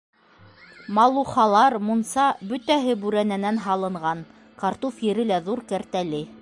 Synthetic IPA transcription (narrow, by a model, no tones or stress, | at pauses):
mɑlˠuχɑlˠɑɾmunsɑbɵt̪æɦɘbʉɾænænænɦɑlˠɤ̆ɴʁɑn | kɑɾt̪ufjɘ̆ɾɘlæðuɾkæɾt̪ælɘ